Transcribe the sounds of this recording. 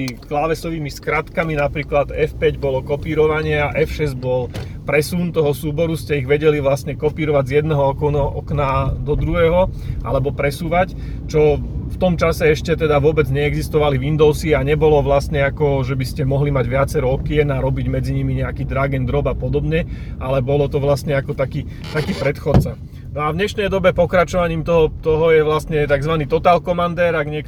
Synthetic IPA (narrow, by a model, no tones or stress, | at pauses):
iklaʋɛsɔʋiːmiskɾat̪kaminapɾiːklad̪ɛfpɛɟbɔlɔkɔpiːɾɔʋaɲɪɛaʔɛfʃɛzɟbɔl | pɾɛsunt̪ɔɦɔsuːbɔɾuscɛiɣʋɛɟɛliʋlastɲɛkɔpiːɾɔʋaɟzjɛd̪nɛɦɔɔkɔnɦɔʔɔknad̪ɔd̪ɾuɦɛːɦɔ | ʔa̰lɛbɔpɾɛsuːʋac | t͡ʃɔft̪ɔmt͡ʃasɛɛʃcɛt̪ɛd̪aʋʊɔbɛd͡zɲɛɛɡzist̪ɔʋaliʋind̪ɔʊsiaɲɛbɔlɔʋlast̪ɲɛakɔʒɛbiscɛmɔɦlimaɟʋɪat͡sɛɾɛɔkiɛnaɾɔbiɟmɛd͡ziɲimiɲɛakiːd̪ɾaɡɛnd̪ɾɔbapɔd̪ɔbɲɛʔalɛbɔlɔt̪ɔʋlast̪ɲɛakɔt̪akiː | t̪akiːpɾɛt̪xɔt̪t͡sa | nɔavɲɛʃnɛjd̪ɔbɛpɔkɾat͡ʃɔʋaɲiːmt̪ɔɦɔt̪ɔɦɔjɛʋlast̪ɲɛt̪aɡzʋaniːt̪ɔt̪aːlkɔmand̪ɛːɾaɡɲɪɛk